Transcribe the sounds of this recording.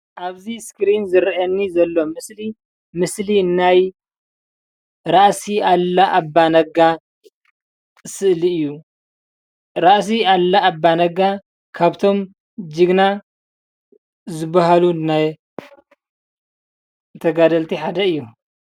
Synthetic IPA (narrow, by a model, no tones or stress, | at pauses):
ʔaβziskɾinzɨɾiʔɐnːizɐlːo̞mɨsli | mɨslinaj | ɾaʔsialːaʔabːanɐɡa | sɨʔliɨjːu | ɾaʔs̬ialːaːbːanɐɡa | kʰaβt̪ʰo̞m | d͡ʒɨɡna | zɨbːaɦalunaj | t̪ʰɐɡad̪ɐlt̪ʰiħad̪ɐɨjːu